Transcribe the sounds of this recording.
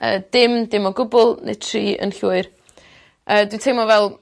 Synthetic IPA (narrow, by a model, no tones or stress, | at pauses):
ə̰ːd̥ɪmdɪmɔɡʊbʊlˠnḛ̥tʰriːʔə̰nɬuːɨr | əːdwɪtʰejmɔvɛlˠ